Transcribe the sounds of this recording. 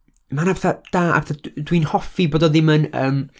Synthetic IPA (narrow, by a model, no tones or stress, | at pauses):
manabɛθad̥aːa̰beθadwinhɔfiboːdɔðɪmənə̰ːm